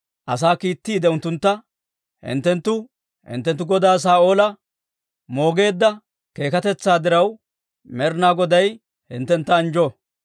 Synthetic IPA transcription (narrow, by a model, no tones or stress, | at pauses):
ʔɐs̬aːkiːt̪ːiːd̪ɛʊnt̪ːʊnt̪ːɐ | hɪ̰nt̪ːɛnt̪ːʊ | hɪ̰nt̪ːɛnt̪ːʊɡɔd̪aːs̬aːʔo̞ːlɐ | mo̞ːɡe̞ːd̪ːɐ | ke̞ːkɐt̪ɛt͡sːaːd̪ɪɾɐw | mɛɾnaːɡɔd̪ɐj | hɪnt̪ːɛnt̪ːɐːnd͡ʒɔ